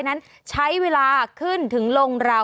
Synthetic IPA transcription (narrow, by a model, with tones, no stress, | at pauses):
jna˦˥n | t͡ɕʰa˦˥jweː˧laː˧kʰɯ˥˩nt̪ʰɯ˩˦ŋlo˧ŋɾa˧